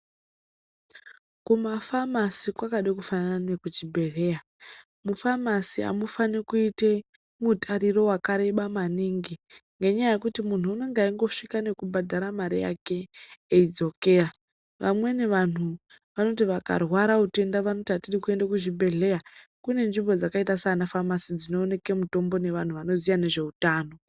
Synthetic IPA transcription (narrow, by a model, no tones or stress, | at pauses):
kumafamasikwakaɗekufanananekud͡ʒibʱe̞ɮe̞ja | mufamasia̰mufanikuite | mutʰaɾiɾo̞wakaɾe̞ɓamaniːŋɡiŋɡe̞ɲajaje̞kutimun̤uːne̞ŋɡaiŋɡo̞ʂikane̞kubʱadʱaɾamaɾija̰ke̞ːid͡zo̞ke̞ːra | ʋamwe̞ne̞ʋan̤u | ʋano̞t̬iʋaka̰rwaɾaute̞ndaʋano̞tiɦatirikue̞ndakuʐibʱe̞ɮe̞jakune̞nʐimbo̞d͡zakaitasanafamasid͡zino̞ːne̞ke̞muto̞mbo̞ne̞ʋan̤uʋano̞zijane̞ʐe̞utaːno̞